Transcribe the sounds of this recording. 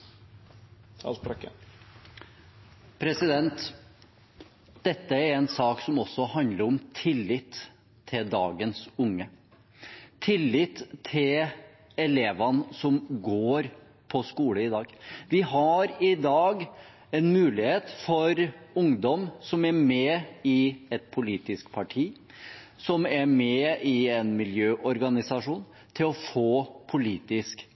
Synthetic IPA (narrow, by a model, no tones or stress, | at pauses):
k | pʰɾɛsɪd̪ɛnt̪ | d̪̥ɛt̪ːəæɾɛnsɑːksɔmɔsːɔhɑnd̪ləɾɔmt̪ʰɪlːɪt̪ʰː | ɪld̪ɑ̰ːɡənsʊŋːə | t̪ʰɪlːɪt̪ʰːɪl | ɛleːʋɑnsɔmɡoːɾ | pʰɔskuːləɪd̪ɑːɡʋɪɦɑɾɪd̪ɑːɡ | ɛnmʉːlɪheːt̪fɔɾʊŋd̪ɔmsɔmæmɛɪɛt̪̚pʰʊliːt̪ɪskpʰɑʈʰiː | sɔmæɾmɛɪɛnmɪljøːʔɔɾɡɑnɪsɑʂuːn | t̪ʰɪlɔfoːpʰʊliːt̪ɪsk